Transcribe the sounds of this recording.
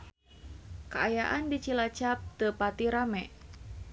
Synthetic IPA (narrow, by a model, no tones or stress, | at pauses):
kaajaʔandit͡ʃilat͡ʃap̚t̪əpat̪iɾamɛ